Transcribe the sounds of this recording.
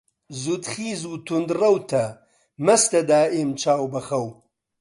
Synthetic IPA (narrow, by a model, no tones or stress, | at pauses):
zud̪xiːzuːt̪ʰund̪rɐwt̪ʰɐ | mɐst̪ɐd̪aːemt͡ʃaːwbɐxɐw